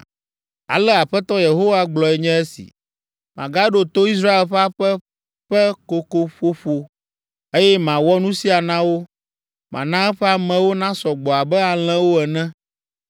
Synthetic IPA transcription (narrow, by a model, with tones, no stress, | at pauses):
a̰˨lɛ˦a˨ɸɛ˦t̪ɔ˦je˨ɦo˦wa˦ɡ͡blɔ˨ɛ˨ɲɛ̃˦e˦sḭ˨ | mã˨ɡa˦ɖo˦t̪o˦i˦s̬ɾa˦e˨lɸɛ˦a˦ɸɛ˦ | ɸɛ˦ko˨ko˨ɸo˦ɸo˨ | e˦jɛ˦mã˨wɔ˦nũ˦si˦a˨nã˦wo˦ | mã̰˨nã˦ɛ˦ɸɛ˦a˦mɛ̃˨wo˦nã˦sɔ˨ɡ͡bɔ˨a˨bɛ˦a˨l̃ɛ̃˦wo˦ɛ˨nɛ̃˦